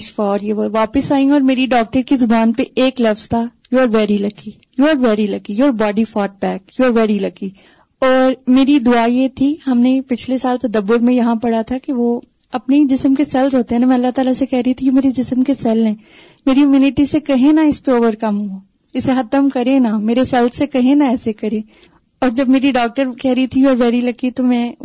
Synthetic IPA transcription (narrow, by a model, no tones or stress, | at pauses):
ʃfaɾjeʋoʋaːpɪsaːĩɔːɾmeːɾiɖɔːk̚ʈəɾkizʊbaːnpeeːklɐfz̥t̪ʰa | juaːɾʋɛːɾilɐɡi | juːaːɾʋɛːɾilɐɡijoːɾbɔːɖifɔːʈ̚bɛːkjuaːɾʋɛːɾilɐɡi | ɔːɾmeːɾid̪ʊajet̪ʰiɦɐmnepɪt͡ʃʰlesaːlt̪ɐd̪əbːʊɾmẽjɐɦãpɐɽ̤at̪ʰakeʋo | ɐpned͡ʒɪsəmkesɛlsɦoːt̪eɦɛːnamɛ̃ɐlːat̪aːlasekɛɦɾɐɦit̪ʰikemeːɾed͡ʒɪsəmkesɛlɦɛ̃ː | meːɾijumiːnɪʈisekɐɦẽnaɪspeoːʋəɾkɐmɦuo | ɪsexɐt̪əmkɐɾẽnameːɾesɛlsːekɐɦẽnaɛːsekɐɾẽː | ɔːɾd͡ʒɐbmeːɾiɖɔːk̚ʈəɾkɛɦɾit̪ʰijɔːɾʋɛːɾilɐkit̪omɛ̃ː